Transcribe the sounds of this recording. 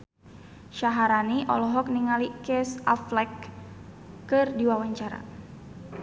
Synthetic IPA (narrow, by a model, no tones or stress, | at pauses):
ʃaɦaɾaniʔɔ̰lɔɦɔk̚niŋalikɛsaflɛkː | ɨrdiwawaɲt͡ʃaɾa̰